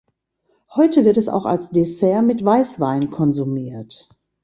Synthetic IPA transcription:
hɔʏtəvɪɐtɛsa̰ʊxa̰lsd̥esɛɐmɪtv̥aɪsv̥aɪnkʰɔnzumiːɐt

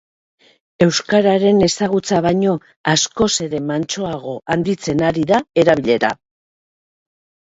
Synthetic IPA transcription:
e̞wskaɾaɾe̞ne̞saɣut͡saβ̞ajɲo̞ | asko̞se̞ɾe̞mant͡ʃo̞aɣ̞o̞ʔand̪it͡se̞naɾiðae̞ɾaβiʎe̞ɾa̰

